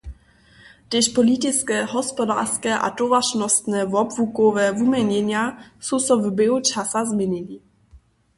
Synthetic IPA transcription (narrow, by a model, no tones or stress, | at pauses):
t̪ɪʃpɔlit̪ɪt͡skɛɦɔspɔda̰ːskɛʔa̰tɔvaʃnɔst̪nɛvɔbvukɔvɛvumɛɲɛɲjasusɔvbɛut͡ʃasazmɛnini